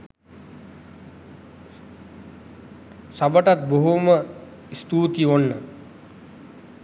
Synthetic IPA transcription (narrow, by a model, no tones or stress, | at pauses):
sabəʈat̪̚boɦumə | ist̪uːt̪ionːə